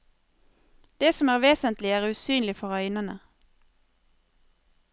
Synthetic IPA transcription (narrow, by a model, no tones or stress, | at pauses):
d̪̥eːsɔmæːʁʋeːsənt̪lɪæːʁʉːsyːnlɪfɔʁœʏnənə̰